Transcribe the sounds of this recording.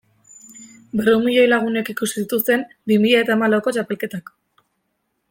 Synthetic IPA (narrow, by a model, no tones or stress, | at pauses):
bereumiʎo̞jlaɣ̞une̞kikusi̥sit̪ust̪e̞m | bimiʎaet̪aemalaoko̞t͡ʃape̞lke̞t̪ak